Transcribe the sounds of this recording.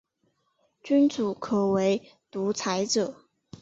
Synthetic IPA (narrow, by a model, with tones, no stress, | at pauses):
t͡ɕy˥nt͡su˨˩kʰɤ˨˩we˧˥ɪ | t̪u˧˥t͡sʰa˧˥ɪt͡sɤ˨˩˦